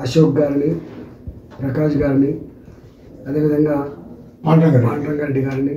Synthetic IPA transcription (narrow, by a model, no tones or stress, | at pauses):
ɐʃoːɡːaːɾini | pɾɐkaːʃɐɡaːɾini | ɐd̪eːʋid̪ɐŋɡaː | paɳʈɐŋɡaɾpaːɳʈɾɐŋɡɐɖiɡaːɾini